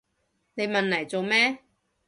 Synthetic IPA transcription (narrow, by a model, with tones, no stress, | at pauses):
ne˨˧jmɐ˨nlɐ˨˩jt͡so˨wmɛː˥